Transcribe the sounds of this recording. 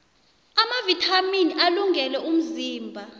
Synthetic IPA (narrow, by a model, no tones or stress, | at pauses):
amavitʰaminiʔaluŋɡʱɛlɛʔum̩ziːmbʱa